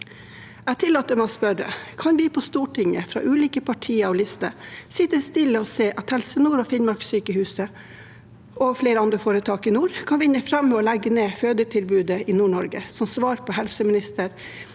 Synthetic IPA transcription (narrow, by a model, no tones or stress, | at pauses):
æːt̪ʰɪlːɑːt̪əmæɪspœɾə̰kʰɑnʋɪpʰɔst̪uːʈʰɪŋə̰fɾɑ̰ːʔʉːliːkəpʰɑʈʰiːəɾɔlɪst̪əɾsɪt̪ːəst̪ɪlːəɔseːʔɑt̪hɛlsənuːɾɔfɪnmɑɾksyːkəhʉːsə | ʔɔfleːɾəɑnd̪ɾəfoːɾət̪ʰɑːkɪnuːɾkʰɑnʋɪnːəfɾɑmːɛɔlɛɡːəneːføːd̪əʈʰɪlbʉːd̪əɪnuːɳɔɾɡəsɔmsʋɑːɾpʰɔhɛlsəmɪnɪst̪əɾ